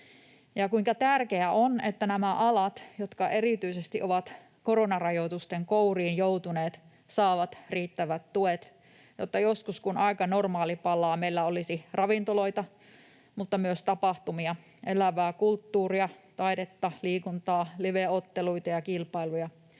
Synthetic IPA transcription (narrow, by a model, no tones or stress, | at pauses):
jɑkuiŋkɑt̪ærkeæʔonet̪ːænæmæʔɑlɑt̪jot̪kɑʔe̞ɾit̪yisest̪iʔo̞ʋɑt̪ | ko̞ɾonɑrɑjot̪ust̪eŋkouriːnjout̪uneːt̪ | sɑːʋɑt̪riːt̪ːæʋæt̪tuet̪ | jot̪ːɑjoskuskunɑikɑnormɑːlipɑlːˑɑːmeilːæolisirɑʋint̪olo̞it̪ɑ | mut̪ːɑmyøst̪ɑpɑht̪umiɑ | ʔelæʋæːkult̪ːuːriɑt̪ɑiɾet̪ːɑliːkunt̪ɑːliʋeot̪ːeluit̪ɑjɑkilpɑilujɑ